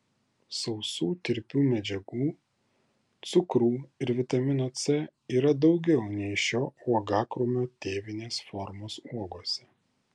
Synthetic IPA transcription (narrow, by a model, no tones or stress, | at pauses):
sɒʊsuːt̪ʲɪɾʲpʲuːmʲɛd͡ʒʲɛɡuː | t̪sʊkɾuːɪɾʋʲɪt̪ɐmʲɪnoːt̪sʲɛiːɾɐd̪ɒʊɡʲɛʊnʲɛɪʃʲoːuɔɡɑːkɾʊmʲoːt̪ʲeːʋʲɪnʲeːsfɔɾmoːsuɔɡuɔsʲɛ